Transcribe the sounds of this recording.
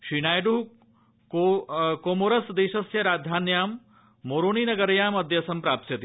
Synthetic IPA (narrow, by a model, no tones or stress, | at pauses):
ʃinaːjɖuɦ | kokoːmoɾɐsd̪eːʃɐsjɐɾaːd̪ʱaːnjaːmː | oːɾoːniːnɐɡɐɾɐjaːmɐd̪ʱjɐsɐmpɾaːpsjɐt̪i